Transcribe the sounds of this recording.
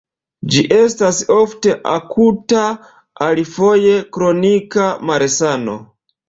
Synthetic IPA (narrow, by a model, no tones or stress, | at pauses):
d͡ʒiʔe̞staso̞fte̞ʔa̰kʰuta | alifo̞je̞kɾo̞nikamaɾesano̞̰